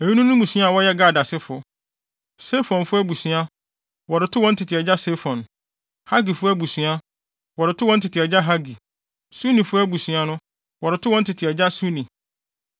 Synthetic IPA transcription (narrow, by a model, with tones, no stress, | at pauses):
e˨ji˦nũ˦nũ˦mũ˨sɥa˦a˨wɔ˦jɛ˦ɡa˦˨da˨sɪ˦fʊ˨ | sɛ˦fɔ̃˨nfʊ˦æ˦bu˨sɥa˦ | wɔ˨ɾɪ˨tʰʊ˦wɔ̃˦n̩˦tʰɪ˨tʰɪ˨ɛ˨d͡ʑa˦se˦fɔ̃˨n | ha˦ɡi˨fʊ˦æ˦bu˨sɥa˦ | wɔ˨ɾɪ˨tʰʊ˦wɔ˦n̩˦tʰɪ˨tʰɪ˨ɛ˨d͡ʑa˦ɦa˦ɡi˨ | su˦nĩ˨fʊ˦æ˦bu˨sɥa˦nʊ̃˦ | wɔ˨ɾɪ˨tʰʊ˦wɔ˦n̩˦tʰɪ˨tʰɪ˨ɛ˨d͡ʑa˦su˦nĩ˨